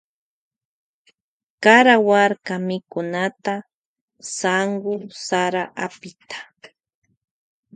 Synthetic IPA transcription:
kaɾawaɾkamɪkʊnat̪a | saŋɢʊsaɾaʔapɪt̪ʰḁ

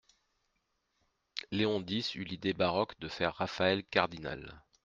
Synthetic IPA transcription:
leɔ̃d̪isylid̪ebaʁɔkd̪əfɛʁːafaɛlkaʁd̪ina̰l

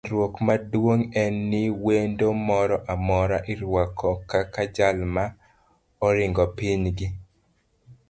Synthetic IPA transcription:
ɾwokmadwoŋɛnːɪwendomɔɾɔʔamɔɾaʔɪɾwakʰɔkakad͡ʒalma | ɔɾɪŋɡɔpiɲɡɪ

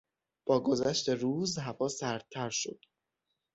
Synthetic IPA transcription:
b̥ɒːɡozæʃt̪e̞ɾuːzɦævɒːsæɾd̪̚t̪ʰːæɾʃod̪̥

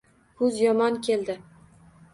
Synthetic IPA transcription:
hʰʊzjɒmɒnkʲʰe̞ld̪ɪ

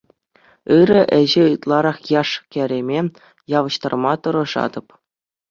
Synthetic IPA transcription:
ɯɾɘ̆ʔɘ̆ʑĕɯt̪lˠɑɾɑχjɑʂkʲæ̆ɾʲemʲe | jɑʋɤ̆ɕt̪ɑ̰rmɑt̪ɤ̆ɾɤ̆ʐɑ̰d̪ɤ̆p

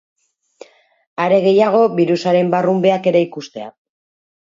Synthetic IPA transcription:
aɾe̞ɣ̞e̞jaɣ̞o̞βiɾusaɾe̞mbarumbe̞ake̞ɾe̞ikust̪e̞a̰

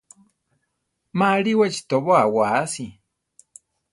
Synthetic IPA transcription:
maɺiwat͡ʃi̥t̪oβoawasi

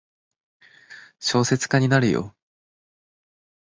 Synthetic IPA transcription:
ɕo̞ːse̞t͡sɨ̥kaɲ̟inaɾɯ̟jo̰

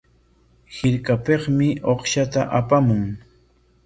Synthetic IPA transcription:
hɪɾkapeχmɪoχʃat̪aʔapamʊŋ

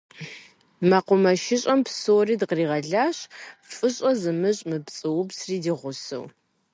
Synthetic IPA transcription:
mɐqʷʊmɐʃɪɕʼɐmpsoːriːdqriːʁɐɮaːɕfʼɨɕʼɐzɨmɨɕʼmɨpt͡sʼɨwʊbsriːdiːʁʷʊsɨ̰w

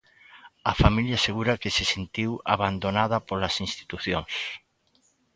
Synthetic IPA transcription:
afamiljaseɣuɾakesesent̪iwa̰βand̪onað̞ɐpolasinst̪i̥t̪uθjoŋs

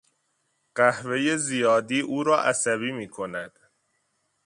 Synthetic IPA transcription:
ɢ̥æhve̞jezijɒːd̪iːʔuːɾɒːʔæsæβiːmiːkʰo̞næd̪̥

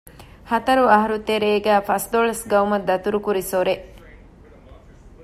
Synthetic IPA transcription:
hɐt̪ɐɾuɐɦɐɾut̪eɾeːɡæːfɐsd̪oɭɐsɡɐumɐd̪ːɐt̪uɾukuɾisoɾe

